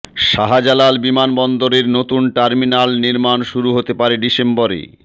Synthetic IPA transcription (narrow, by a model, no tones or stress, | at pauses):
ʃaɦad͡ʑalalbimanbɔnd̪oɾeɾnot̪unʈaɾminalniɾmanʃuɾuɦot̪epaɾeɖisembɔɾḛ